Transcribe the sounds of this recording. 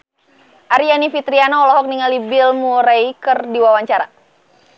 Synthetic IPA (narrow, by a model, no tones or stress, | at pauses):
ʔaɾianifit̪ɾianaɔlɔɦɔk̚niŋalibɪlmuɾajkərdiwawaɲt͡ʃaɾa̰